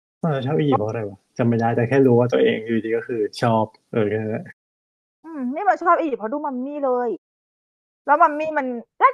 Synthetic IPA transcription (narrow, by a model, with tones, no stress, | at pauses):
ʔa˧˩a˧˩t͡ɕʰɔː˥˩p̚ʔi˧˨iː˨˩pʰːɔ˧˥˧ɾa˧˩jwa˧˩t͡ɕa˨˩ma˧˥˩jdaː˦˥t͡ɕa˨˩kʰɛː˥˩ɾuː˦waː˥˩t̪u˧ɐ˧ʔeː˧ŋju˨d̪ʰiː˧kɔ˥˩kʰɯː˧t͡ɕʰɔː˥˩p̚ʔɤː˧˩kʰeː˧˥˩ | ʔɯː˧˩mniː˥˩ma˧nt͡ɕʰɔː˥˩p̚ʔiː˨˩pʰɔ˧˥duː˧ma˧mːiː˥˩lɤː˧j | lɛ˦˥wma˧mːiː˥˩ma˧nla˥˩